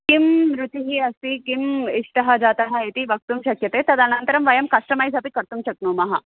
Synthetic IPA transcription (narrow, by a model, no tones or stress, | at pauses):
kimɾut̪iɦiːɐst̪ikimiʂʈɐɦɐd͡zat̪ɐɦɐet̪iʋɐk̚t̪uːmʃɐkjɐt̪et̪ɐd̪anɐnt̪əɾɐmʋɐjɐmkɐʂʈɐmajzʱapikɐɾt̪umɕɐknuːmɐɦa